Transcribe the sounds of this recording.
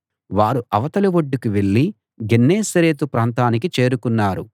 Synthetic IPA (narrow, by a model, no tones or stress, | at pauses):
ʋaːɾuʔɐʋɐt̪ɐluʋoɖːukiʋe̞ɭːi | ɡenːeːsɐɾe̞ːt̪upɾaːnt̪aːnikit͡ʃe̞ːɾukunːaːɾu